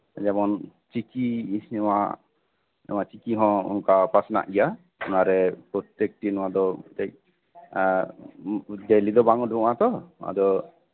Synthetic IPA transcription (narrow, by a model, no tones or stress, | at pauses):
d͡ʒɛmɔn | t͡ʃikiɲɛma̰ | na̰mat͡ʃikiɦɔ̃ṵnkapasna̰ʔɡɛja | unaɾɛpɾɔt̪ɛk̚ʈinɔwad̪ɔt̪ɛc̚ | d͡ʒajlid̪ɔbaŋɔduat̪ɔa̰d̪ɔ